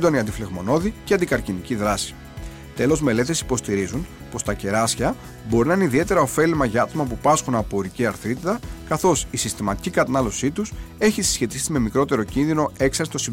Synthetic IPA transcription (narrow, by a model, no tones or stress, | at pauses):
d̪o̞niɐnd̪ifle̞ɣmo̞no̞ðiceɐnd̪ikɐɾciniciðɾɐsi̥ | t̪e̞lo̞zme̞le̞t̪esi̥po̞st̪iɾizun | po̞st̪ɐce̞ɾɐsçɐ | bo̞ɾinɐineiðie̞t̪e̞ɾɐo̞fe̞limɐʝɐɐt̪o̞mɐp̬upɐsxunɐpoɾiciɐɾθit̪it̪ɐkɐθo̞sisist̪imɐt̪i̥cikɐt̪ɐnɐlo̞sit̪use̞çisi̥sçe̞t̪isime̞mikɾo̞t̪e̞ɾo̞cinðino̞e̞ksɐɾsi̥t̪o̞si